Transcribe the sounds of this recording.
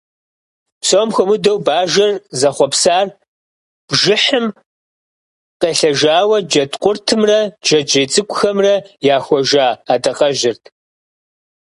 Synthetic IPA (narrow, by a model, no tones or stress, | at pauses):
psomxʷɔmʊdɐwbaːʒɐrzɐχʷɔpsaːr | b̥ʒɪħɨm | qeːɬɐʒaːwɐd͡ʒɐtqʷʼʊrtʰɨmrɐd͡ʒɐd͡ʒejt͡sʼɨkʷʼʊxɐmrɐjaːxʷɔʒaːaːdɐqɐʒɪrtʰ